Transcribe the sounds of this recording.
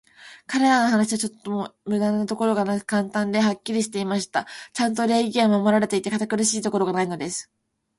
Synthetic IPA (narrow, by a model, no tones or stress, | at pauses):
kaɾe̞ɾano̞ɦanaɕiβat͡ɕot̪ːomomɯ̟d̪ãnːot̪o̞ko̞ɾo̞ɡanakɯ̟̥kãnt̪ãnd̪e̞ɦakʲːiɾʲiɕi̥t̪e̞imaɕi̥t̪at͡ɕãnt̪o̞ɾe̞ːɡʲiomamo̞ɾaɾe̞t̪e̞it̪e̞kat̪akɯ̟ɾɯ̟ɕiːt̪o̞ko̞ɾo̞ɡanaino̞d̪e̞sɨ̥